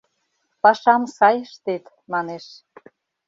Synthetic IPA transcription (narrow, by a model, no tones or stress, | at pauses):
pɑʃɑmsɑjəʃt̪et̪ | mɑneʃ